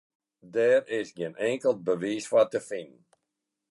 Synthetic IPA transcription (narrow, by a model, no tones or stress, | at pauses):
dɛrɪsɡɪnɛŋkəlˠt̚bəʋiːswatəfɪn